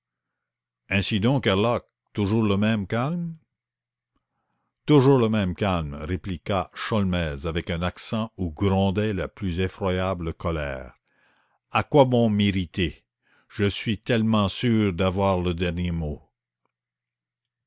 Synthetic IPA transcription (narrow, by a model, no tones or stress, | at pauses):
ɛ̃sid̪ɔ̃kalak̚ | t̪uʒuːʁləmɛ̃mkalm | t̪uʒuːʁləmɛ̃mkalmʁeplikaʃɔlmɛːzavɛkœ̃naksɑ̃uɡɾɔ̃d̪ɛlaplyzefʁwajabləkɔlɛ̰ːʁ | akwabɔ̃miʁit̪e | ʒ̥əsɥit̪ɛlmɑ̃syːʁd̪avwaːʁləd̪ɛʁnjemo